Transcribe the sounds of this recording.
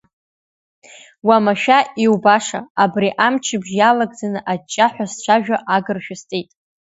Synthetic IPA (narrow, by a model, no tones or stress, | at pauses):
wamaʃᶣaʔiwbaʂa̰abriʔamt͡ʃʰɪbʒjalaɡd͡zanɨʔat͡ʃʼːaħʷᶣast͡ʃʷʰaʒᶣaʔaɡɨrʃᶣʊstʼejtʼ